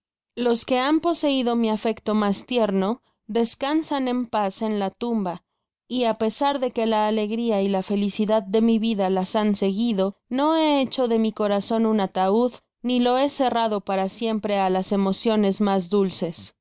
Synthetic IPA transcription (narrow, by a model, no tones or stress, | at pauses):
lo̞ske̞ampo̞se̞iðo̞miafe̞kt̪o̞mast̪je̞ɾno̞ | ðe̞skansanẽ̞mpase̞nlat̪umba | iape̞saɾðe̞ke̞laːle̞ɣɾiailafe̞lisiðaðːe̞miβiðalasanse̞ɣiðo̞no̞e̞et͡ʃo̞ðe̞miko̞ɾaso̞nunat̪auð | nilo̞e̞se̞raðo̞paɾasje̞mpɾe̞alase̞mo̞sjo̞ne̞zmazðulse̞s